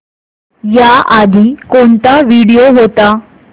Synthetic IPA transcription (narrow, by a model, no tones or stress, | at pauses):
jaad̪ʱiːkoɳt̪aʋiɽijoɦot̪a